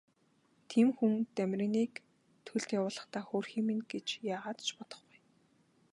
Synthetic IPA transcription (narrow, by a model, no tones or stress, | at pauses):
t̪ʰiːmxuŋt̪æmʲrɪ̆niːk | t̪ʰɵɮt̪jawʊːɮə̆χt̪aːxoːrxiːminɡet͡ɕjaːʁaːt̪t͡ɕpɔt̪ɞ̆χɡuj